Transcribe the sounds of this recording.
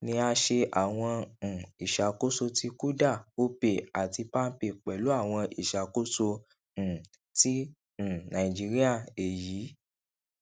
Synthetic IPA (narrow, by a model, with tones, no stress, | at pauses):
nĩ˧a˧ʃe˧ʔa˨w̃ɔ̃˧˨i˨ʃa˨ko˦so˧ti˧ku˦da˦˨o˦be˨a˨ti˧pa˦n̩˦pe˧˨k͡pɛ˨lu˨˦a˦˨w̃ɔ̃˧i˨ʃa˨ko˦sõ˧˨ | tĩ˦˨ | nã˨ĩ˨d͡ʒi˦ɾi˦a˦˨e˨jiː˨˦